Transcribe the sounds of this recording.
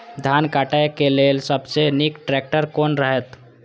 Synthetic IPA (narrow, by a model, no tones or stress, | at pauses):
d̪ʱankaʈajkelelsəbsenikʈɾɛk̚ʈəɾkoːnɾəɦɛt̪